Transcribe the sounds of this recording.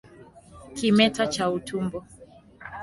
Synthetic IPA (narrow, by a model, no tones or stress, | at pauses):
kimɛtat͡ʃautʰumbɔ